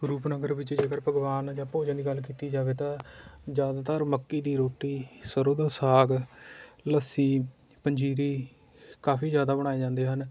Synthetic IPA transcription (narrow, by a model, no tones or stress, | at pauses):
ɡɾuːpnəɡəɾbɪt͡ʃd͡ʒeːkəɾpəɡʋaːnd͡ʒãːpoːd͡ʒə̃nd̪iːɡəlkiːt̪iːd͡ʒaːʋeːt̪ãːd͡ʒjaːd̪aːt̪əɾməkːiːd̪iːɾoːʈiːsəɾoːd̪aːsaːɡ | ləsiːpəɲd͡ʒiːɾiː | kaːpʰiːd͡ʒjaːd̪aːbəɽ̃aːeːd͡ʒãːnd̪eːɦən